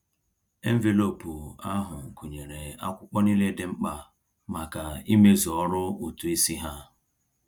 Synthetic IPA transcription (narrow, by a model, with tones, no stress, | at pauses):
e˦m̩˦ve˨lo˦˨pu˨a˦ɦʊ˨ŋ̩˨ku˨ɲe˨ɾe˨a̰˦kʷʊ˦k͡pɔ˦ni˦le˦dɪ˦ŋ͡m̩˦k͡pa˨ | ma˨ka˨i˦me˦zɔ˦ɾʊ˦u˨tu˨e˦si˦ɦa˦